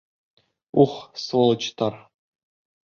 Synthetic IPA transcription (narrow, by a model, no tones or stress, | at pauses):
uχsvolˠɤt͡ɕt̪ɑr